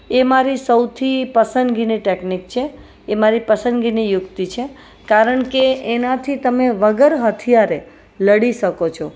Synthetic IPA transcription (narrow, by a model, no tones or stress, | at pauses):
emaɾisəwt̪ʰipəsənd̪ɡiniʈeknik̚t͡ʃʰeː | maɾipəsənd̪ɡinijʊkt̪it͡ʃʰe | kaɾəɳkeːnat̪ʰit̪əmeʋəɡəɾɦət̪ʰijaɾe | ləɽiʃəkot͡ʃʰo